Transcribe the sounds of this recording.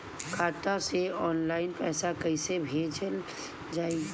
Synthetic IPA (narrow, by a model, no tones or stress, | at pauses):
kʰaːʈ̪aseɔːnlaːɪnpɛːsakəisebʱeːd͡ʒəl | d͡ʒaːi